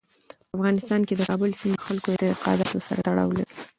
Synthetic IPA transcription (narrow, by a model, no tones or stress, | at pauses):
pəafɣɑnɪst̪ɑnked̪əkɑbəlsimexalkod̪əɪqɑ̰d̪ɑt̪osa̰ɾat̪aɽɑ̰wla̰ɾi